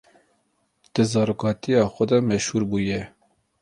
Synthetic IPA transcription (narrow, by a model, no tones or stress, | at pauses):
d̪̥ɨzɑːɾoːkɑːt̪ijɑːxɛd̪ɑmɛʃhuːɾbuːjɛ